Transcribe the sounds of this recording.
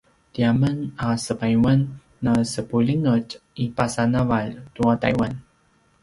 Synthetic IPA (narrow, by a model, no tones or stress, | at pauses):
tiamənasəpajwənː | əsəpuliŋəcipasanavaltuata̰jwan